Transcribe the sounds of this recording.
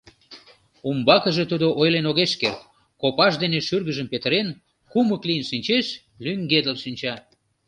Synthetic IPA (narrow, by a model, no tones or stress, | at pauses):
umbɑkəʒet̪ud̪oʔojlenoɣeʃkert̪̚ | kopɑʃd̪eneʃyrɣəʒəmpet̪əɾen | kuməklijənʃinʲt͡ɕeʃ | lyŋɡed̪əlʃinʲt͡ɕɑ